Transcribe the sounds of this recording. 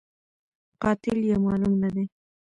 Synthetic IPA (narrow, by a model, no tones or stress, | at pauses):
qɑːt̪ɪljamɑlʊŋnad̪e